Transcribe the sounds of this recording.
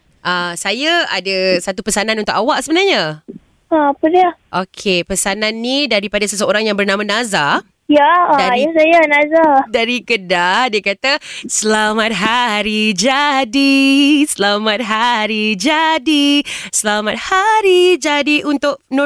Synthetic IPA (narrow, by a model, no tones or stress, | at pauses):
ʔasajaadasat̪upəsananunt̪ʊkawaʔsəbənarɲa | apədiaʔokʰepəsananːidaɾipadasəs̬əoɾaŋjaŋbərnãmanaza | jadajasajanazadaɾikədadiakat̪asəlamat̪̚ɦaɾid͡ʒadisəlamat̪̚ɦaɾid͡ʒadisəlamat̪̚haɾid͡ʒadiʔunt̪ʊk̚no